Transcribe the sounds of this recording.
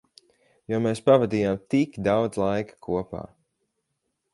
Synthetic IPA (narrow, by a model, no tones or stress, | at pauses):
jɔɔmeːspavad̪iːjaːmt̪ikd̪awd̪zlˠajkḁkʰuɔpa̰ː